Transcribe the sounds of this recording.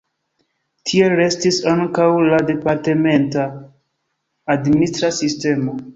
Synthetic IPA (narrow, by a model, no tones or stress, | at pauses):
tʰieɾe̞stisaŋkawlade̞paɾte̞me̞nta | dministɾasiste̞mo̞